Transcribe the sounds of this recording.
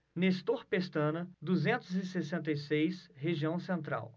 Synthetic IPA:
nest̪oɾpest̪ɐ̃nɐd̪uzẽnt̪ʊzɪsesẽnt̪ɐjsejsɦeʒiɐ̃w̃sẽnt̪ɾa̰w

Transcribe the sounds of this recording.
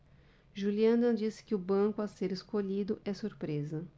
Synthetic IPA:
ʒuliɐ̃nɐd͡ʒisɪ̥kɪʊbɐ̃kʊaseɾeskoʎid̪ʊʔɛsuɾpɾezɐ

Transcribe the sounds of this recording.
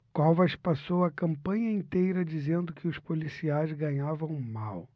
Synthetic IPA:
kɔvɐʃpasowɐkɐ̃mpɐ̃ɲɐĩnt̪ejɾɐd͡ʒizẽnd̪ʊkɪʊspolisiajzɡɐ̃ɲavɐ̃w̃maw

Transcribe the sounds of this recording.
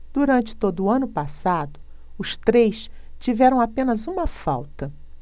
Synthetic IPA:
d̪uɾɐ̃nt͡ʃɪ̥t̪od̪ʊːɐ̃nʊpasad̪ʊ | ʊst̪ɾejst͡ʃivɛɾɐ̃w̃apẽnɐzũmɐfa̰wt̪ɐ

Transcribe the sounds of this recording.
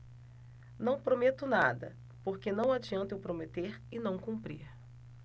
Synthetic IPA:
nɐ̃w̃pɾomet̪ʊnad̪ɐ̰ | poɾkenɐ̃w̃ad͡ʒiɐ̃nt̪ɪʊpɾomet̪eɾɪnɐ̃w̃kũmpɾiɾ

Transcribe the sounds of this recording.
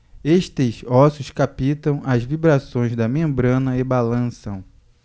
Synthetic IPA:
eʃt̪ɪzɔsjʊskapit̪ɐ̃w̃ɐzvibɾasõj̃zd̪ɐmẽmbɾɐ̃nɐebalɐ̃sɐ̃w̃

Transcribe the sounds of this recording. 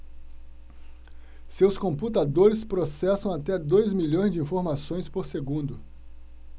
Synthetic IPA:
sewskõmput̪ad̪oɾɪspɾosɛsɐ̃w̃at̪ɛd̪ojzmiʎõj̃zd͡ʒɪĩfoɾmasõj̃spoɾseɡũnd̪ʊ

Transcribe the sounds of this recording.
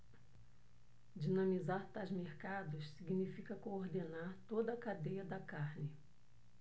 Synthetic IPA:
d͡ʒinɐ̃mizaɾt̪azmeɾkad̪ʊssiɡinifikɐkooɾd̪enaɾt̪od̪ɐkad̪ejɐd̪ɐkaɾnɪ

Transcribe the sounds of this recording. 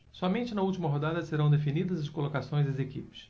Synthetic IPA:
sɔmẽnt͡ʃɪnɐuwt͡ʃimɐɦod̪ad̪ɐseɾɐ̃w̃d̪efinid̪ɐzɐskolokasõj̃zɐzekḭpɪ̥s

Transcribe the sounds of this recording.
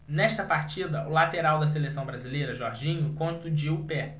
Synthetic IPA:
nɛʃt̪ɐpaɾt͡ʃid̪ɐʊlat̪eɾawd̪ɐselesɐ̃w̃bɾazilejɾɐʒɔɾʒĩɲʊkõnt̪ʊd͡ʒiʊpɛ

